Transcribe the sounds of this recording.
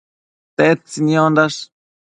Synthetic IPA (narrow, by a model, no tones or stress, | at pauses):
t̪et͡sinjond̪aʂ